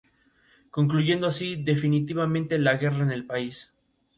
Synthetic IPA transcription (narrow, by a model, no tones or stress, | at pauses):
ko̞ŋkluʝe̞nd̪oasiðe̞finit̪iβamẽnt̪elaɣe̞raene̞lpais